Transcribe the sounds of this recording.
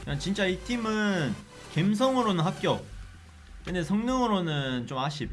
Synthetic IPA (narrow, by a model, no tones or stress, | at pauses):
ant͡ɕint͡ɕ͈aitʰimɯn | kems̬ʰʌŋɯɾonɯnɦap̚k͈jʌp̚ | kɯnesʰʌŋnʌŋɯɾonɯnt͡ɕomaɕʰip̚